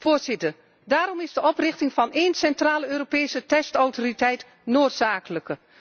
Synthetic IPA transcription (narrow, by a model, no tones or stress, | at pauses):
voːɹzɪtər | daːɾɔmɪzdəʔɔprɪχtɪŋvɑneːnsɛntraːləøːɾopeːsətɛstɔwtoritɛjt | noːtsaːkələkə